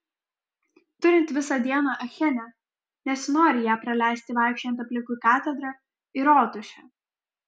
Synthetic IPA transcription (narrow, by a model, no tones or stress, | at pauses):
t̪ʊɾʲɪnt̪ʲʋʲɪsɑd̪ʲiɛnɑʔɐxʲɛnʲæ | nʲɛsnoːɾʲɪjæːpɾɐlʲæˑɪsʲt̪ʲɪʋɑˑɪkʃʲɛnt̪ɐpʲlʲɪŋkukɑːt̪ʲɛd̪ɾɐ | ɪɾoːt̪ʊʃʲɛ